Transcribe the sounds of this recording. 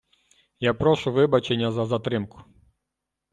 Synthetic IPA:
japɾɔʃʊʋɪbɐt͡ʃenʲːɐzɐzɐt̪ɾɪmkʊ̥

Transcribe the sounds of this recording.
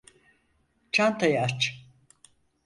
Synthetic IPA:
t͡ʃʰant̪ʰajaːt͡ʃ

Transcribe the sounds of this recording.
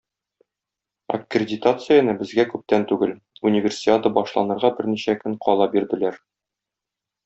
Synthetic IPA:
ɐ̰krʲɪdʲɪt̪at̪sɨjanɤbɘ̆zɡækʉp̚t̪ænt̪ʉɡɘl | unʲɪvʲɪrsʲɪat̪ɤbɒʃlˠɑ̰nɤ̆ɾʁɑbɘɾniɕækɘɴqɒlˠɑbiɾd̪ɘ̆læɾ

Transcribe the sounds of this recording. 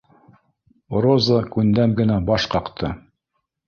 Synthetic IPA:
ɾozəkʉnd̪æmɡɘ̆næbɑʃqɑqt̪ʰɤ

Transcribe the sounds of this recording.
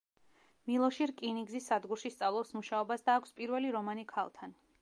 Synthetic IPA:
milˠɔʃiɾkʼiniɡzisːad̪ɡuɾʃist̪sʼavlˠɔpsmuʃaɔbasd̪aːkʷʰspʼiɾvɛliɾɔmanikʰa̰lˠt̪ʰan

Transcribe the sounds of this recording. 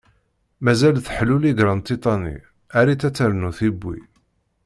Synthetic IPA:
mæzælθħluliɡɾˤənt̪ˤit̪ˤɑnḭ | æɾit͡sːæt͡sːəɾnuθibʷːḭ

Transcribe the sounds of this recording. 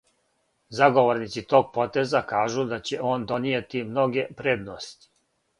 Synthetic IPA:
zaɡo̞ʋoɾnit̪sit̪o̞ːɡ̚po̞t̪ezakaːʒud̪at͡ɕe̞ʔo̞ːnd̪o̞nijet̪imno̞ɡe̞pɾeːd̪nost̪i̥

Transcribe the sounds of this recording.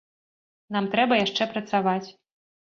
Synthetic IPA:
namt̪ɾɛbɐjaʂt͡ʂɛpɾɐt̪savat͡sʲ

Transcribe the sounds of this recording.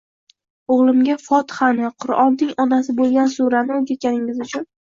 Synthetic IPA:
oʁlˠɪmɡʲafɒt̪χanɪqʰʊɾɒnːɪŋɒnasɪbolˠɡʲansuɾanɪoɡʲat̪̚kʲanɪŋɪzʊt͡ʃʰʊn

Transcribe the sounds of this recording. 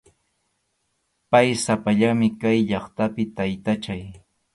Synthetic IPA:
pajsapaʎamɪkajʎɑχt̪apɪt̪ajt̪at͡ʃaj

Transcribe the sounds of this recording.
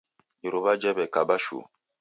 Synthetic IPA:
iɾobad͡ʒɛbɛkabaʃṵ

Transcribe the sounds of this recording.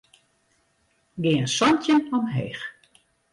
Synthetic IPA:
ɡɪːənsɔntjənɔmɦeːx

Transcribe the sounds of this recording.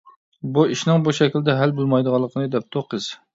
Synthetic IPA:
buiʃnɪŋbuʃɛkʲild̪ɛɦælbolˠmɑjd̪əʁɑlˠːəqʰənɨd̪ɛp̚t̪ʰoqʰəz̥

